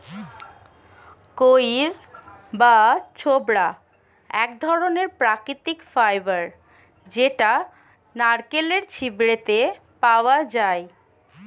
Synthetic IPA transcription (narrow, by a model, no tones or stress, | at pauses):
kojɾbat͡ɕʰobɾa | ɛk̚d̪ʱɔɾoneɾpɾakɾit̪ikfajbaɾ | d͡ʑeʈa | naɾkeleɾt͡ɕʰibɾet̪e | paoad͡ʑae